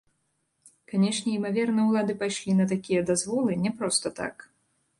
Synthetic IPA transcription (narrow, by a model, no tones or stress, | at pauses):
kanʲɛʂnʲɛimavʲɛrnɨjɛwlˠad̪ɨpajʂlʲinɐt̪akʲijɐd̪azvɔlˠɨnʲɛpɾɔst̪ɐt̪a̰k